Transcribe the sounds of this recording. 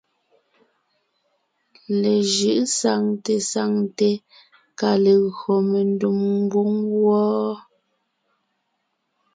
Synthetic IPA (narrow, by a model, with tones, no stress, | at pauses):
le˨ʒɯ˦˨ʔsa˨ŋte˨sa˦˨ŋte˨ | ka˨le˨ɣɰo˨me˨ndu˨mŋ˦ɡu˦ŋɣwɔː˦